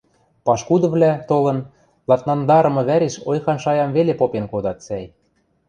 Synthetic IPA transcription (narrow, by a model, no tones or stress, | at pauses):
pɑʃkud̪ɤ̆βlæt̪olɤ̆n | lˠɑt̪nɑnd̪ɑɾɤ̆mɤ̆βæɾeʃojxɑnʃɑjɑmvelepopenkod̪ɑt̪sæj